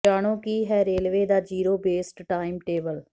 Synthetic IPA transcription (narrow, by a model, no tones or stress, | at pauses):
aːɽ̃õːkiːɦɛːɾeːlʋeːd̪aːd͡ʒiːɾoːbeːsʈʈaːɪmʈeːbəl